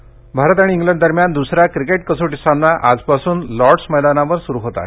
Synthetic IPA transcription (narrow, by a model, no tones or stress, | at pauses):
bʱaɾət̪aɽ̃iːŋɡlɛ̃ɳɖd̪əɾmjand̪usɾakɾikeʈkəsoʈist̪ʰanːaʔa̰d͡zpasuːnlɔɾɖsməjd̪anaʋəɾsuɾuɦot̪a̰